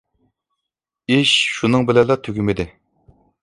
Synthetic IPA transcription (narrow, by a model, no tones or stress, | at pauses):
iʃʃunɨŋbɪlɛlˠɑt̪ʰøɡʲymɪd̪ɪ